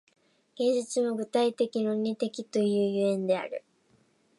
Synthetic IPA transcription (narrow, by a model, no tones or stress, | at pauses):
ɡ̥ẽ̞ɲd͡ʑit͡sɨmoɡɯ̟t̪ait̪e̞kʲino̞ɲ̟ʲit̪e̞kʲit̪o̞jɯ̟ːjɯẽ̞nd̪e̞a̰ɾɯ̟